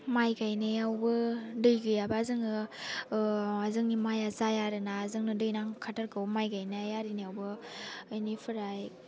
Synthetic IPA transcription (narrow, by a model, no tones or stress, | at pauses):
majɡajnajawbɯdɯjɡɯjabazɯŋɯ | azɯŋnimajazajaɾɯnaːzɯŋnɯdɯjnaŋkʰatʰaɾkʰawmajɡajnajaɾinijawbɯːjnipʰɯɾaj